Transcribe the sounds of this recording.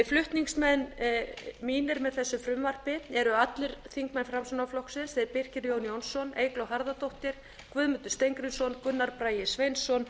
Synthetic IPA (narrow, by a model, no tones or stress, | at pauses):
flʏht̪niŋsmɛn | miːnɪɾmɛðθɛsːʏfɾʏmvar̥pɪɛɾʏat̪lɪɾ̥θiŋkmɛnfɾamsɔnaflɔksɪnsɛðɾpɪr̥cɪɾjownjownsːɔnḛjklɔwɦaɾðat̪owht̪ɪɾ̥ | kvʏðmʏnt̪ʏ̥st̪ejŋkɾɪnsɔnkʏnːaɾpɾaːjɪsvejnsːɔn